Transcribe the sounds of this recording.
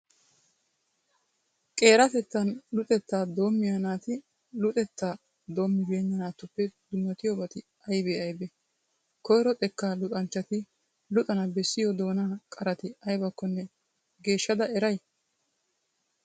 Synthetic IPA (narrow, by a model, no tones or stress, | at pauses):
kʼe̞ːɾɐt̪ɛt̪ːɐnlʊt̪ʼɛt̪ːaːd̪o̞ːmːɪjɐnaːt̪ɪ | lʊt̪ʼɛt̪ːaː | d̪o̞ːmːɪbeːnːɐnaːt̪ːʊpːɛd̪ʊmːɐt̪ɪjɔbɐt̪ɪ | ɐjbeɐjbɛ | kɔjɾɔt̪ʼɛkːalʊt̪ʼɐnt͡ʃːɐt̪ɪ | lʊt̪ʼɐnɐbɛsːɪjɔd̪o̞ːnaːkʼɐɾɐt̪ɪɐjbɐkːɔnːɛ | ɡe̞ːʃːɐd̪ɐɛɾɐj